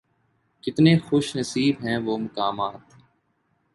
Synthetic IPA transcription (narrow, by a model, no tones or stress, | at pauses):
kɪt̪nẽːxʊʃnɐsiːbɦɛ̃ːʋoːmʊkaːmaːt̪